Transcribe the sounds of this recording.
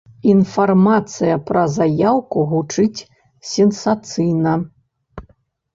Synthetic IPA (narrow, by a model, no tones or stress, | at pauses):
infarmat̪sɨjɐpɾɐzajawkuɣut͡ʂɨt͡sʲ | sʲɛnsat̪sɨjnɐ